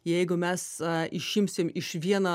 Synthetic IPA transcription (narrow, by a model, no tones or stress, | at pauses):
jɛɪɡʊmʲɛsɪʃʲɪmʲsʲɪmɪʃʋʲiɛnɐ